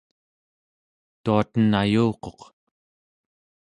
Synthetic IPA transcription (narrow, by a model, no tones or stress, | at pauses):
t̪uat̪ənajuːqo̞q